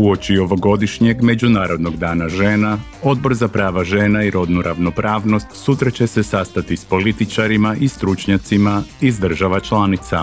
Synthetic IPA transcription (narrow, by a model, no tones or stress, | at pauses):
uo̞t͡ʃio̞ʋo̞ɡo̞d̪iʃɲe̞ɡme̞d͡ʒunaːɾo̞d̪no̞ɡd̪aːnaʒe̞ːna | o̞d̪̚bo̞ɾzapɾaːʋaʒe̞ːnaiɾʔo̞d̪nuɾʔaʋno̞pɾaːʋno̞st̪sut̪ɾat͡ɕe̞se̞sast̪at̪ispo̞lit̪it͡ʃaɾimaʔist̪ɾut͡ʃɲat̪simaizd̪r̩ʒaʋat͡ʃlanit̪sa̰